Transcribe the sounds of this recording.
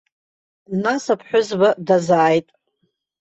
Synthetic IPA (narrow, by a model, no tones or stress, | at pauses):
dnasapʰħʷᶣʊzbadazaːjtʼ